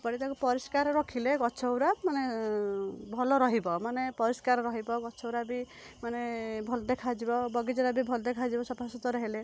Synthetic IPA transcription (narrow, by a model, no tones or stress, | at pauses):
pɔɽ̃it̪akupɔɾiskaɾɔɾɔkʰileɡɔt͡ʃʰɔwɾamane | bʱɔlɔɾɔɦibɔmanepɔɾiskaɾɔɾɔɦibɔɡɔt͡ʃʰɔwɾabi | manebʱɔlɔd̪ekʰad͡ʒibɔbɔɡid͡ʒɔɾabibʱɔlɔd̪ekʰad͡ʒibɔsɔpʰasut̪ɔɾɔɦile